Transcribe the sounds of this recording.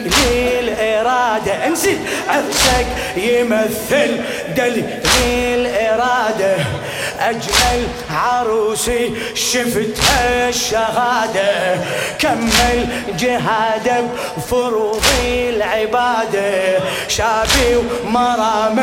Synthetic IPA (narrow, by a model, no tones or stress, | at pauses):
lilʔɪɾˤɑːd̪aʔɪnsiʕafsak | jɪmaθːɪl | d̪al | lilʔɪɾˤɑːd̪a | ʔad͡ʒmal | ʕɑɾˤuːsi | ʃɪft̪haʃːaɣaːd̪akamːɪl | d͡ʒɪɦaːd̪ak | fʊɾuːɣilʕɪbaːd̪a | ʃaːbiwmɑɾˤɑːma